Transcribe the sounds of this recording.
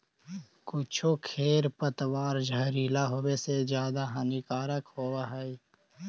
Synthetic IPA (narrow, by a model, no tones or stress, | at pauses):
kʊt͡ʃʰokʰeːɾpət̪waːɾd͡ʒʱəɾiːlaɦowesed͡ʒjaːd̪aɦənikaːɾəkhoːwaɦɛi